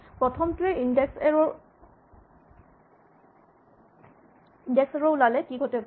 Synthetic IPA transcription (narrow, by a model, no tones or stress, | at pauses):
pɹɔtʰɔmtuɛʔindɛksɹɔ | indɛksɛɹɔwlalɛkiɡʱɔtɛk